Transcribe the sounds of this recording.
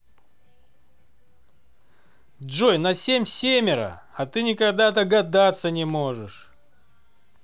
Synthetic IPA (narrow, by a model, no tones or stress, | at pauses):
dʐojnɐsʲemʲsʲemʲɪɾə̰ | ɐt̪ɨnʲɪkɐɡd̪at̪əɡɐd̪at̪sənʲɪmo̞ʐɨʂ